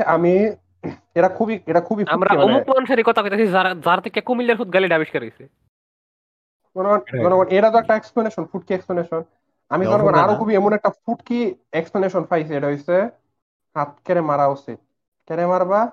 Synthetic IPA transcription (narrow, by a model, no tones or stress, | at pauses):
ami | eɾakʰubieɾakʰubiamɾaɔmuk̚anʃaɾikɔt̪ʰakojt̪asiazaɾt̪ʰekɛkumilaɾfut̪̚ɡaliɖabiʃkɛɾojsi | ɡʱɔnɔɔnɡɔnɔɡɔneɾat̪ɔɛk̚ʈaeɛksplaneʃɔnfʰuʈ̚kieksplɔneʃɔn | amizɔnɡɔnaɾokʰubiɛmunɛk̚ʈafʰuʈkieksplaneʃɔnfʰajs̬ieʈaɦojse | hat̪̚kɛɾɛmaɾaosḭ | kɛnɛmaɾba